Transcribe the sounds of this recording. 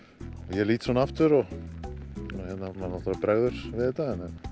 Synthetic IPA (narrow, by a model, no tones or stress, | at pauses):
ɔjɛliːt̪sɔnaaft̪ʏɾɔ | hɛt̪namanaft̪aɾapɾɛɣðʏɾ̥vɪðɛt̪ːaɛnɛn